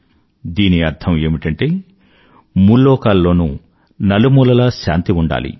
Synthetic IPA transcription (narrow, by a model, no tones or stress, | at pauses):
d̪iːniɐɾd̪ʱʰɐme̞ːmiʈɐɳʈe̞ː | mulːɔːkaːlːo̞ːnṵ | nɐlumuːlɐlaːʃa̰ːnt̪iuɳɖa̰ːlḭ